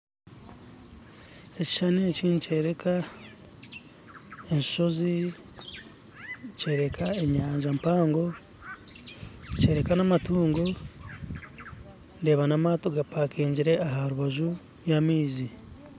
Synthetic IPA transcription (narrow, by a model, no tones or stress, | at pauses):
e̞ci̥ʃaneciːnuce̞ːɾe̞kʰa | eɲʃi̥ʃo̞zi | ce̞ːɾe̞kʰaeɲaːɲʒampaːŋɡo̞ | ce̞ːɾe̞kanamatuːŋɡo | nde̞ːβanamaːtoɡapakiːɲɟiɾe̞aɦaɾuβaʒu | jamiːzi